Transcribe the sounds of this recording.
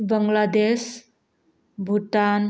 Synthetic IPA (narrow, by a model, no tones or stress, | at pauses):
bəŋɡlad̪es | bʱuʈan